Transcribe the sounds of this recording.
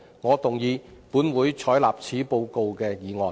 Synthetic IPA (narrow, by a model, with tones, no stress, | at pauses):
ŋɔː˨˧t̪ʊ˨˩ŋjiː˨˧puː˨˥nwuː˨˥jt͡ʃʰɔː˨˥jla̰ː˨p̚t͡sʰiː˨˥po˧wko˧wkɛː˧jiː˨˧ŋɔː˨˩n